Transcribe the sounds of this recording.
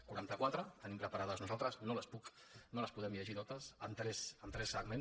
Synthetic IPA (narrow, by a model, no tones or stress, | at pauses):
kuɾant̪əkwat̪ɾət̪ənimpɾəpaɾaðəznuzalˠt̪ɾəznoləspuk | noləspuðɛmʎəʒit̪ot̪əsənt̪ɾɛsənt̪ɾɛsːəɡmẽn